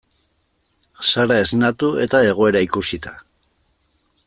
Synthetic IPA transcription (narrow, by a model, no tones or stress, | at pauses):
saɾae̞znat̪ue̞̰t̪ae̞ɣ̞o̞e̞ɾaikusit̪a